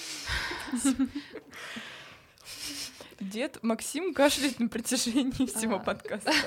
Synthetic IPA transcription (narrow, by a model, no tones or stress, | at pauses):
dʲet̪mɐksʲimkaʐd̪ɨjfnəpɾətʲɪʐɛnʲɪːfsʲɪvo̞pɐt̪kast̪ə